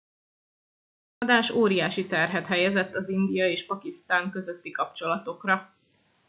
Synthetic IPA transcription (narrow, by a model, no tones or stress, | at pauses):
ɒd̪aːʃoːɾijaːʃit̪ɛrɦɛt̪ɦɛjɛzɛt̪ːɒzind̪ijɒeːʃpɒkist̪aːŋkø̞zøt̪ːikɒpt͡ʃo̞lɒt̪o̞krɒ